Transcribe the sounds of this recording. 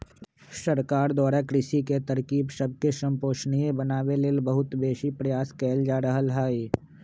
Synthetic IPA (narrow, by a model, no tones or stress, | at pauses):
səɾkaːɾd̪waːɾakɾɪʃiket̪ɐɾkiːbʃəb̚keʃə̃mpoːʃnijẽbənaːweleːlbəɦʊt̪beːʃipɾɐjaːskɛːld͡ʒaːɾəɦəlɦaːiː